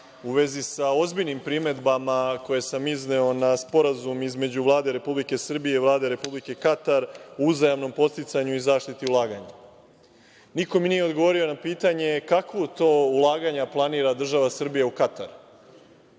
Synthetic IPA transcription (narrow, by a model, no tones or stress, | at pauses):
uʋe̞zisao̞zbiʎnimpɾime̞d̪bamako̞jesamizneo̞naspo̞ɾazumizme̞d͡ʑuʋlˠaːd̪e̞ɾe̞publike̞sr̩bije̞iʋlˠaːd̪e̞ɾe̞publike̞kat̪aɾouzajamno̞mpo̞t̪st̪it̪saɲuizaːʃt̪it̪iulˠaːɡaɲa | niko̞minije̞od̪ɡoʋo̞ɾio̞napiːt̪aɲe̞kakʋot̪o̞ːulˠaːɡaɲaplˠaniːɾad̪r̩ʒaʋasr̩bijeukat̪aɾ